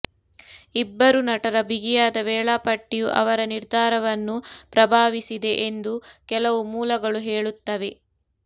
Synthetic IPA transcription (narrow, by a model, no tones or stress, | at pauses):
ibːɐɾunɐʈɐɾɐbʱiɡijaːd̪ɐʋɛːɭapɐʈːijuʔɐ̰ʋɐɾɐniɾd̪ʱaːɾɐʋɐnːupɾɐbʱaːʋisid̪e̞ʔend̪ukɛlɐʋumuːlɐɡɐɭuɦeːɭut̪ːɐʋe̞